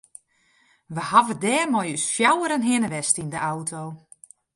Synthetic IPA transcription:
ʋəhavədɛːrmɔjysfjawəɾənɦɪnəʋɛstindəʔawtʰow

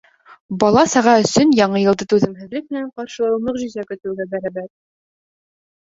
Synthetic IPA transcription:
bɒlˠɑsɑʁɑɵ̆sɵnjɑɴɤjɤ̆lˠd̪ɤt̪ʉðɘ̆mɦɘ̆ðlɘk̚mɘ̆næɴqɑɾʃɤɤ̆lˠɤqʑɵzækɵ̆t̪ɘ̆wɡæbæɾæbæɾ̚

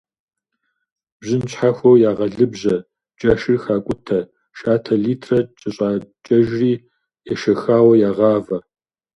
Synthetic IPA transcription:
b̥ʑɪnɕħaxʷɐwjaːʁɐɮɨbʑɐ | t͡ʃʼɐʃɨrxaːkʷʼʊtʰɐ | ʃaːtʰɐɮiːtʰrɐt͡ʃʼɐɕʼaːt͡ʃʼɐʒriː | jɛʃɐxaːwɐjaːʁɑːvɐ

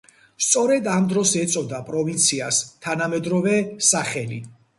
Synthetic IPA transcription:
st̪sʼɔɾɛd̪amd̪ɾɔsɛt̪sʼɔd̪apʼɾɔvint̪sʰiast̪ʰanamɛd̪ɾɔvɛsaχɛlḭ

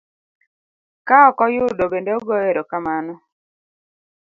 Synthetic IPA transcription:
kaɔkɔjʊdobendeoɡɔeɾokamanɔ

